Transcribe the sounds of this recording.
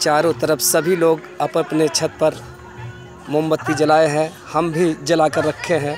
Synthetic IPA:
t͡ʃaːɾõt̪əɾəfsɐbʱiloːɡ | ɐppnet͡ʃʰɐt̪̚pɐɾ | mʊ̃mbət̪ːid͡ʒɐlaːeɦɛ̃ | hɐmbʱid͡ʒɐlaːkəɾːɐkʰːeɦɛ̃ː

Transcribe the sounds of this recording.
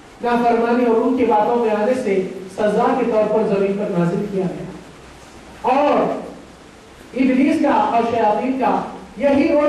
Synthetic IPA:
naːfɐɾmaːneɔːɾũnkebaːt̪õmẽaːnesesɐzaːket̪ɔːɾpɐɾzɐmiːnpɐɾnaːzɪlkijaɡɐja̰ | ɔːɾ | ɪ̃d̪ɾiːskaɔːɾʃɐjaːt̪iːnkajɐɦiʔoː

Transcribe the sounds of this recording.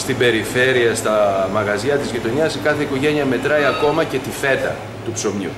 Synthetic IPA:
st̪ibe̞ɾife̞ɾiɐst̪ɐmɐɣɐziɐt̪izʝit̪o̞niɐskɐθe̞iko̞ʝe̞niɐme̞t̪ɾɐiɐko̞mɐce̞t̪ife̞t̪ɐ | t̪upso̞mɲṵ

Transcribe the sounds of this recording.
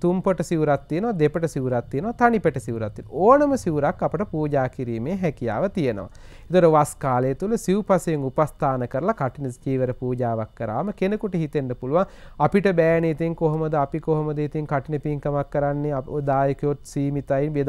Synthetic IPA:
t̪umpoʈəsiʋuɾat̪ːijenəʋad̪epəʈəsiʋuɾat̪ːijenəʋat̪anipəʈəsiʋuɾat̪ːinoːnəməsiʋuɾakːapəʈəpuːɟaːkiɾiːmeːɦɛkija̰ːʋət̪ijeno̰ʋa̰ | et̪oɾəʋaskaːleːt̪uləsiupasejeŋupast̪ʰaːnəkəɾɐlakaʈinət͡ʃiːʋeɾəpuːd͡ʒaːʋakːəɾa̰ːməkenəkuʈəɦit̪enːɐpuluʋaŋapiʈəbæːnit̪iŋkoɦomɐd̪əapikoɦomɐd̪əit̪iŋkaʈinəpiŋkəmakːəɾanːeaod̪aːjukejot̪siːmit̪ainʋed̪

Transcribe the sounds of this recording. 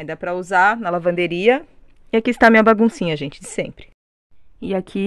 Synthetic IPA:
ĩd̪ɐpɾɐuzaɾnɐlavɐ̃nd̪eɾiɐ | ɪakiːst̪aɐmĩɲɐbaɡũsĩɲɐʒẽnt͡ʃɪd͡ʒɪsẽmpɾɪ̥ | ɪakʰi

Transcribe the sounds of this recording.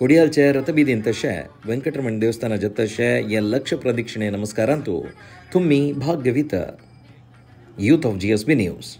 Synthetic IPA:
koɽijaːlt͡ʃeɾɐt̪ɐbiːd̪int̪ɐʃḛʋɐŋkɐʈɾɐmɐɳd̪eːʋɐst̪ʰaːnɐd͡ʒɐt̪ːɐʃejɐlɐkʂɐpɾɐd̪ikʂɐɳeːnɐmɐskaːɾaːnt̪ṵ | t̪ʰumːibʱaːɡjɐʋit̪ɐ̰ | juːt̪aːfd͡ʒiesbinjṵːs

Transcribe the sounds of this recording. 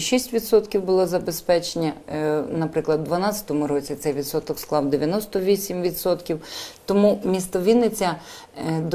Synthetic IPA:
ʃisʲtʲʋʲid̪sɔt̪kʲiwbʊlˠɔzɐbespɛt͡ʃenʲɐnɐpɾɪklˠɐd̪d̪ʋɐnɑtʲt͡sʲɐ̥t̪ɔmʊɾɔt͡sʲit̪sɛjʋʲid̪sɔt̪ɔksklˠɑwd̪eʋʲjɐnɔst̪ɔʋʲisʲimʋʲid̪sɔt̪kʲiwt̪ɔmumʲist̪ɔʋʲinɪt͡sʲːɐ | d̪

